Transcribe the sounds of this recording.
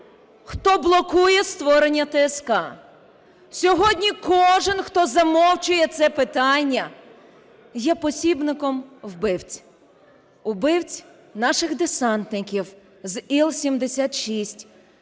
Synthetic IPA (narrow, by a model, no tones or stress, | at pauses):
xt̪ɔblˠɔkujɛst̪ʋɔɾenʲːɐt̪ɛːskɑ | sʲɔɦɔdʲnʲikɔʒɪnxt̪ɔzɐmɔwt͡ʃʊjɛt̪sɛpɪt̪ɑnʲːɐ | jɛpɔsʲibnɪkɔmwbɪwt͡sʲ | ʊbɪwt͡sʲ | nɑʃɪxd̪ɪsɑnt̪nɪkʲiw | zilˠsʲimd̪esʲat̪ʃisʲtʲ